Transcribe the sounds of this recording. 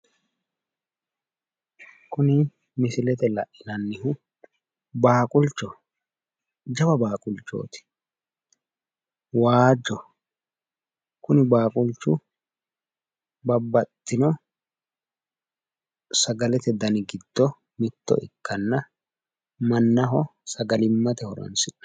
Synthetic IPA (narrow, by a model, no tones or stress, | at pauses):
kʊnɪ | mɪsɪlɛt̪ɛlɐʔːɪnɐnːɪhʊ | baːkʼʊlt͡ʃːɔ | d͡ʒɐbɐbaːkʼʊlt͡ʃːo̞̰ːt̪ɪ̥ | waːd͡ʒɔ | kʊnɪbaːkʼʊlt͡ʃːʊ | bɐbːɐt̪ːɪnɔ | sɐɡɐlɛt̪ɛd̪ɐnɪɡɪd̪̥ːɔ | mɪt̪ːɔ̰ʔɪkʰːɐnːɐ | mɐnːɐɦɔsɐɡɐlɪmːɐt̪ɛhɔɾɐ̰nsɪ